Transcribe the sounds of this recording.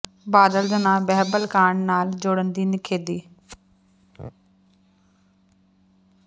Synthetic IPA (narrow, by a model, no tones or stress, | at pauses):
baːd̪əld̪ənãːbɛɦbəlkaːɳnaːld͡ʒoːɽənd̪iːnɪkʰeːd̪iː